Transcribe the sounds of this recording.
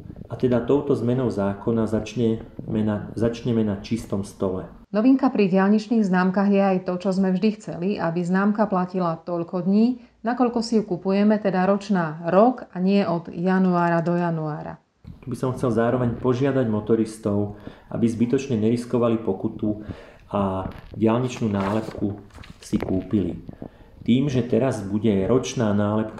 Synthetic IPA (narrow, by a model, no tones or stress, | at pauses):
at̪ɛd̪at̪ɔʊt̪ɔzmɛnɔʊzaːkɔnazaɲɛmɛnazat͡ʃɲɛmɛnat͡ʃist̪ɔmst̪ɔlɛ | nɔʋiŋkapɾiɟɪaʎɲit͡ʃniːɣznaːmkaːɣjɛajt̪ɔt͡ʃɔzmɛvʒd̪ixt͡sɛliʔabiznaːmkaplacilat̪ɔʎkɔd̪ɲiː | nakɔʎkɔsijukupujɛmɛt̪ɛd̪aɾɔt͡ʃnaːɾɔkaɲɪɛʔɔd̪januaːɾad̪ɔjanuaːɾa̰ | t̪ubisɔmxt͡sɛlzaːɾɔʋɛɲpɔʒɪad̪aɟmɔt̪ɔɾist̪ɔʊʔa̰bizbit̪ɔt͡ʃɲɛɲɛɾiskɔʋalipɔkut̪u | aɟɪalɲit͡ʃnuːnaːlɛpkusikuːpilḭt̪iːmʒɛt̪ɛɾazbuɟɛɾɔt͡ʃnaːnaːlɛpka